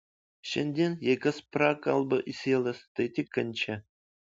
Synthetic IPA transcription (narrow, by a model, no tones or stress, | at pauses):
ɕɘ̆nʲd̪ʲenʲjekʲɘ̆sprɑkɑ̰lˠbɤʔisʲelʲˠɘst̪et̪ʲikʲːɘ̆nʲt͡ɕʰɘ